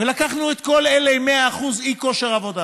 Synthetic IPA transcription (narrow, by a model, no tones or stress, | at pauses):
velakaχnuet̪ko̞leleme̞aːχuziko̞ʃeʁavo̞d̪a